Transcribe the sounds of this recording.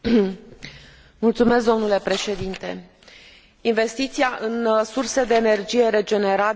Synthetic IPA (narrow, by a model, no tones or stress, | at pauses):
mult̪sume̞s̬k̚d̪o̞mnule̞pɾe̞ʃe̞d̪int̪e̞ | inve̞st̪it̪siaʔɨnsursed̪e̞ːne̞rd͡ʒije̞ɾe̞d͡ʒe̞ne̞ɾa